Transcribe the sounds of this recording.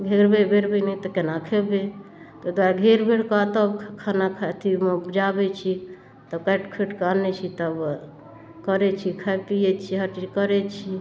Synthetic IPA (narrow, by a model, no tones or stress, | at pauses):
ɡʱeɾbebʱeɾbənɛt̪ɔkenakʰebe | t̪ɔd̪aɾɡʱeɾbʱeɽkat̪əbkʰanakʰat̪ʰimbd͡ʒabet͡ʃʰi | t̪əbkaʈkʰeʈkanɛt͡ʃʰit̪əb | kəɾɛt͡ʃʰikʰapijet͡ʃʰiɦəʈikəɾɛt͡ʃʰi